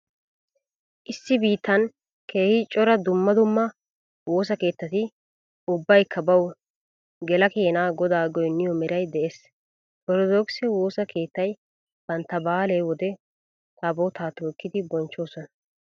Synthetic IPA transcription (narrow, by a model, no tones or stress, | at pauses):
ʔɪsːɪbiːt̪ːɐn | kʰe̞ːhɪt͡ʃʼɔɾɐd̪ʊmːɐd̪ʊmːɐ | wo̞ːs̬ɐke̞ːt̪ːɐt̪ɪ | ʊbːɐjkʰːɐbɐw | ɡɛlɐkeːnaːɡɔd̪aːɡɔjnːɪjɔmɛɾɐjd̪ɛʔeːs | bɔɾɔd̪oksɛwo̞ːsɐkʰe̞ːt̪ːɐj | b̥ɐnt̪ːɐbaːlejwɔd̪ɛ | t̪aboːt̪aːt̪okːɪd̪ɪbɔnt͡ʃːo̞ːsɔnɐ̥